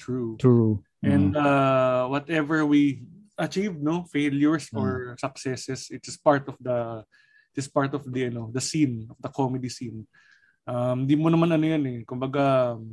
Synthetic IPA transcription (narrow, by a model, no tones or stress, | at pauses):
t̪ɹutɹu | ʔʔɛ̃nd̪awɔt̪ɛvɛɹwiʔɐt͡ʃivd̪̚nofeljʊɹsɔɹsɐk̚sɛsɛsɪt̪ɪspaɹt̪ɔfd̪ɐ | ɪt̪ɪspaɹt̪ɔfd̪iɐnod̪ɐsinɔfd̪ɐkomɛd̪isin | ʔɐmɪnd̪imonɐmanɐnojanɛkʊmbɐɡa